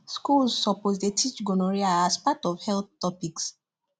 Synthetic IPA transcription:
skulsːɔposdetʰit͡ʃɡonoɹiaaspatɔfhɛlθtːɔpiks

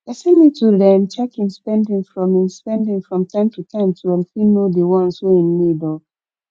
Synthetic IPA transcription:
asɛ̃nmitʰulamt͡ʃɛkĩnspɛ̃ndĩŋfɹɔ̃mĩnspɛ̃ndĩŋfɹɔ̃mtʰãɪ̃mtʰutʰãɪ̃mtʰuãnfinodewɔ̃nsweĩnːidɔ

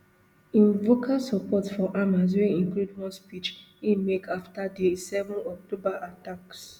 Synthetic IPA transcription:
ĩnvokʰalsɔpɔtfɔʔamas̬weĩŋkludwɔ̃nspit͡ʃ | imekaftadesɛvɔ̃nɔk̚tobaʔataks

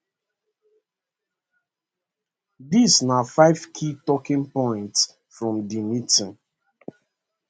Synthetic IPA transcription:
disnafaɪv̥kʰitɔkĩnpɔ̃ɪ̃nts | fɹɔ̃mdimitĩn

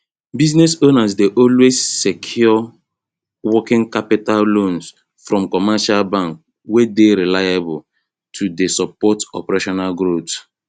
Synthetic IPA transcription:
biznɛsonasdeʔɔlwezːekʰjɔ | wɔkɪ̃ŋkapitallõns | fɹɔ̃mkɔmaʃalbãŋk̚ | wedeɾilajabɔl | tʰudesɔpɔtɔ̰pɛɾeʃɔnalɡɾot

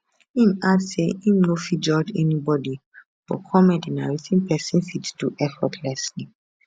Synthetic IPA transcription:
ĩmadseĩmnofid͡ʒɔd͡ʒɛ̰nibɔdi | b̥ɔ̰kʰɔmɛ̃dinaɹitʰĩnpʰɛsĩnfitd̥uʔɛfɔtʰlɛsli

